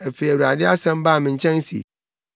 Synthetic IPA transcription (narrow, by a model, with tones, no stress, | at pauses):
e˨fe˨wɾu˨a˨dɪ˦a˦sɛ̃˦m˦ba˦˨mɪ̃˨ɲ̩˦t͡ʃɛ̃˦ŋ˦sḭ˨